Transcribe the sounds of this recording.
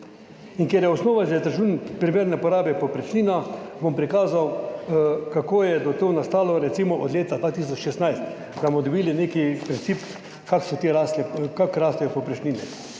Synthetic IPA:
iŋkjeɾjɛɔsnoːʋaʒɛt̪əɾʒunpɾimeːɾnɛpɔɾaːbɛpɔpɾɛt͡ʃniːnɔbompɾikaːzaw | kakoːjɛd̪ɔt̪onast̪aːlɔɾɛt̪simɔʔɔd̪leːt̪ad̪ʋaːt̪is̬ɔt͡ʃʃɛst̪najst̪ | d̪amɔd̪ɔbiːlineːkipɾʲint̪sip | kaːksɔt̪eːɾaːsɛkakɾaːst̪ɛjɛpɔpɾɛt͡ʃniːnɛ̰

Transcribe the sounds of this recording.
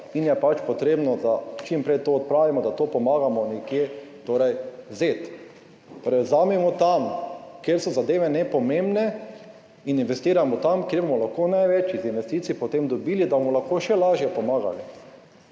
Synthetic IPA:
injɛpat͡ʃpɔt̪ɾeːbnɔd̪at͡ʃimpɾɛjt̪oɔt̪̚pɾaːʋimɔd̪at̪oːpɔmaːɡamɔnɛkje | t̪oːɾɛjzet̪ | t̪oɾɛjwzaːmɛmɔt̪amkjeɾsɔzad̪eːʋɛnɛpɔmẽmbnɛ | ininʋɛst̪iːɾamɔt̪amkjeɾbomɔlaxkonajʋɛt͡ʃizinʋɛst̪it̪sipɔt̪emd̪ɔbiːlid̪abomɔlaxkoʃɛlaːʒjɛpɔmaːɡa̰li

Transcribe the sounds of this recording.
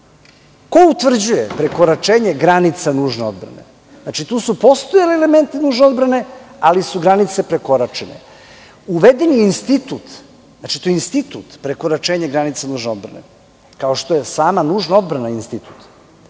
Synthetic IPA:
ko̞ut̪ʋr̩d͡ʑujepɾe̞ko̞ɾat͡ʃeːɲe̞ɡɾanit̪sanuːʒneo̞d̪bɾa̰nḛ | znat͡ʃit̪uːsupo̞st̪ojalieleme̞nt̪inuːʒneo̞d̪bɾane̞alisuɡɾanit̪se̞pɾe̞ko̞ɾat͡ʃenḛ | uʋed̪eniːnst̪it̪ut̪ | zat͡ʃi̥t̪ojinst̪it̪ṵt̪pɾeko̞ɾat͡ʃeːɲeɡɾanit̪sanuːʒneo̞d̪bɾa̰nḛ | kaoʃt̪o̞jesaːmanuːʒnao̞d̪bɾanainst̪it̪u̥t̪

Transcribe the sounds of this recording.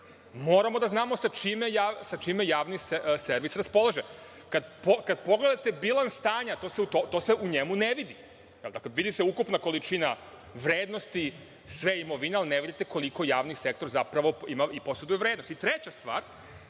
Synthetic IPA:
mo̞ːɾamo̞d̪aznaːmo̞sat͡ʃimejaːsat͡ʃimejaːʋnisseɾʋisɾaspo̞lˠaʒe | kad̪pokad̪̚po̞ɡle̞d̪at̪ebilˠanst̪aːɲat̪o̞ːseut̪ot̪o̞ːse̞ʔuɲemuneʋid̪i | jeld̪akleʋid̪iseukupnako̞lit͡ʃina | ʋɾeːd̪nost̪i | sʋeimo̞ʋinealineʋid̪it̪eko̞likojaːʋnisekt̪o̞ɾzapɾaʋo̞imaipo̞sed̪ujeʋɾed̪no̞st̪it̪ɾet͡ɕast̪ʋaːɾ

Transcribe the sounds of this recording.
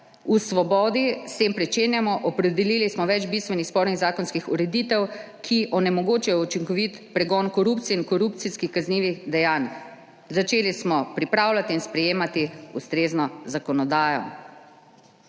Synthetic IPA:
usʋɔbɔːd̪ist̪empɾɛt͡ʃeːnjamɔʔɔpɾɛd̪ɛliːlismɔʋɛd͡ʒbist̪ʋɛnixspɔɾniɣzaːkɔnskixuɾɛd̪it̪ɛw | kʰiʔɔnɛmɔɡoːt͡ʃɛjɔut͡ʃiŋkɔʋit̪pɾɛɡɔnkɔɾupt̪sijɛinkɔɾupt̪siskixkazniːʋixd̪ɛjaːn | zat͡ʃeːlismɔpɾipɾaːwlat̪iːnspɾɛjeːmat̪iust̪ɾeːznɔzakɔnɔd̪aːjɔ̰

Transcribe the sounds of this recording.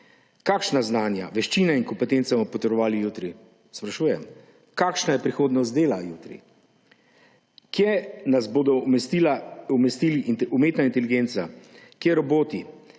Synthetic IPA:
kaːkʃnaznaːnja̰ʋɛʃt͡ʃiːnɛiŋkɔmpɛt̪eːnt̪sɛmɔpɔt̪ɔɾɔʋaːlijut̪ɾi | spɾaʃuːjɛm | kaːkʃnajɛpɾixoːd̪nɔst̪d̪eːlajuːt̪ɾḭ | kjɛnazboːd̪ɔilaumɛst̪iːliʔumeːt̪naint̪ɛliɡeːnt̪sakjɛɾɔboːt̪i

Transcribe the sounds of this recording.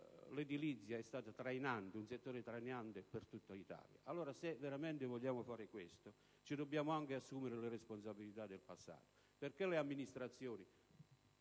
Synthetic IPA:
lɪd̪ilit̪sːjaɛst̪aːt̪at̪ɾajnant̪ɪunset̪ːoːɾɪt̪ɾajneant̪ɪpɪrt̪ut̪ːait̪a̰ːlja̰alːoːɾasevːeɾamɛnt̪ɪvɔʎːaːmʊfaːɾɪkwest̪o | t͡ʃid̪ɔbːjaːmʊaŋk̟ɪasːuːmɪɾɪlɪɾespons̬abilit̪ad̪ːelpasːa̰ːt̪o̥ | perkɛlɪamːinist̪ɾat̪sːjoːni

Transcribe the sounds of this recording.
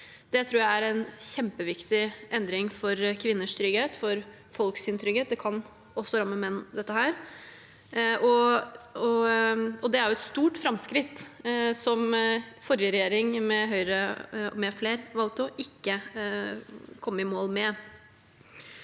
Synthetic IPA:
d̪̥ɛt̪ʰɾuːjææɾɛnɕɛmpəʋɪkt̪ɪʔɛnd̪ɾɪŋfɔɾkʰʋɪnːəʂt̪ɾʏɡeːt̪fɔɾ | fɔlksɪnt̪ʰɾʏɡeːt̪̚d̪ɛkʰɑn | ɔsːɔɾɑmːəmɛnːd̪ɛt̪ːəhæːɾ | ɔ | ɔ | ɔd̪ɛæɾjʊɛt̪st̪uːʈfɾɑmskɾɪt̪ːsɔmfɔɾjəɾɛjeːɾɪŋmɛɦœʏɾəɔmɛfleːɾʋɑlt̪ʊʔɪkːə | kʰɔmːəɪmoːlmɛ

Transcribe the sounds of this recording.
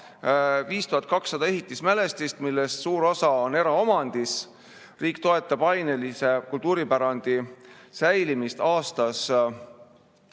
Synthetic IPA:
viːst̪uhɑt̪kɑksːɑd̪ɑe̞ɦit̪ːˑismæle̞st̪ist̪milːest̪suːɾo̞sɑone̞ɾɑo̞mɑnd̪̥is | riːk̚t̪o̞e̞t̪ˑːɑb̥ɑjnelise̞kult̪uːɾipæɾɑnd̪̥isæjlimist̪ɑːst̪ɑs

